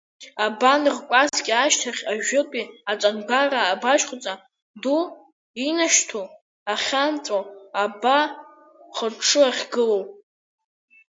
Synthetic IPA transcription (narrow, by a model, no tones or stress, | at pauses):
abanɨrkʷʼazɡʲaʃtʰaχʲaʒᶣʊkʷʼiat͡sʷʼanɡʷaraːbaʃχʷʊt͡sʼa | du | inaʃtʰo | aχʲant͡sʼoaba | χəʈ͡ʂʰːɨaχʲɡɨlo